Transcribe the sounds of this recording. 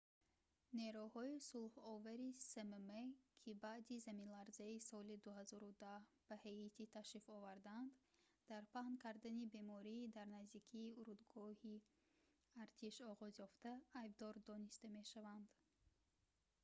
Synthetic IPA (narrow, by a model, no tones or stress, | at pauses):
ne̞ɾuhɔisulˠhɔvaɾisememekʰibaʔd̪izaminlˠaɾzaisɔlid̪uhazɔɾud̪ahb̥æheit̪ʰit̪ʰaʃifɔvaɾd̪and̪ | d̪̥aɾpʰahnkʰaɾd̪anibe̞mɔɾiːd̪aɾnazd̪ikʰiːuɾud̪ɡɔhi | aɾt̪ʰiʃɔʁɔzjɔft̪aːjbd̪ɔɾd̪ɔnist̪ame̞ʃavand̪̥